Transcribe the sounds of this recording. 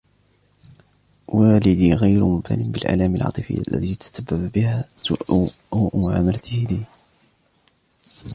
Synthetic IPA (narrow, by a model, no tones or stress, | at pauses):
waːlɪd̪iːɣajɾʊmʊmt̪a̰nɪnbɪlʔa̰laːmalʕɑ̰ːt̪ˤɨfɪ̰jːa̰lːa̰t̪it̪ḁsabːabbɪhaːsʊʔ | uːʔmʊʕa̰ːmalat̪ʰɪhlih